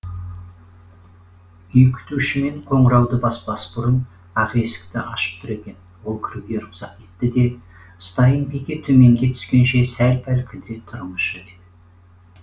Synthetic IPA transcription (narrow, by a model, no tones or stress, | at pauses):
ʏjkʲʰʏ̥t̪uʃɪme̞ɴqʰo̞ɴəɾɑwd̪əbɑspɑsbʊɾən | ɑʁe̞sɪ̥k̚t̪ɪʔɑʃə̥p̚t̪ʰʊɾe̞kʲe̞n | wo̞lˠkʲʰɪɾuɡʲe̞ɾʊqsɑt̪ʲe̞t̪ːɪd̪e̞ | əst̪ɑjənbekʲe̞t̪ʰɵme̞ŋɡʲe̞t̪ʰʏ̥skʲe̞nʃe̞sælpʰælkʲʰɪld̪et̪ʰʊɾməʃəed̪ɪ